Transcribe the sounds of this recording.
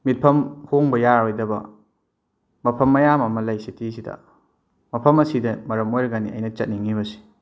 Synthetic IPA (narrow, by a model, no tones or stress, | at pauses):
mit̚pʰɐmhoŋbɐjaɾojdɐbɐ̰ | mɐpʰɐmːɐjamɐmɐlɐjsitʰisidɐ̰ | mɐpʰɐmɐsidɐmɐɾɐmojɾɐɡaniɐ̰jnɐt͡ʃɐt̚niŋiβɐsi̥